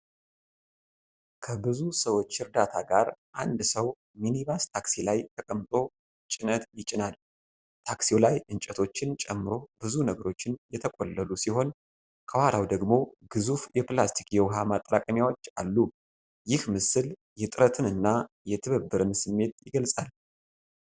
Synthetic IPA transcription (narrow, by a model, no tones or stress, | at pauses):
kʰəbɨzusəwo̞t͡ʃːɨɾd̪at̪ʰaɡaɾʔand̪səw | miniβast̪ʰaksilajt̪ʰəkʼəmt̪ʼo̞ | t͡ʃʼɪnət̪jɪt͡ʃʼɪnal | t̪ʰaksijolajʔɨnt͡ʃʼɛt̪ʰo̞t͡ʃːɪnt͡ʃʼɛmːɨɾo̞bɨzunəɡəɾo̞t͡ʃːɪnjɛt̪ʰəkʼo̰lːəlusiho̞n | kʰəwaɾawd̪əɡmo̞ɡ̥ɨzufjɛplast̪ʰikjɛwɦamat̪ʼːɾakʼəmjawo̞t͡ʃːalːu | jɪhmɨsɨl | jɛt̪ʼɨɾət̪ʰɨnɨnːa | jɛt̪ʰɨβəbːɨɾɨnsɨmːe̞t̪jɪɡəlsʼal